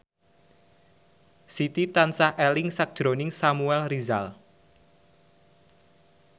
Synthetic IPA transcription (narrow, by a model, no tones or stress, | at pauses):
sit̪it̪ansahʔɛlɪŋsak̚d̥ʒ̥ɾonɪŋsamuɛlriza̰l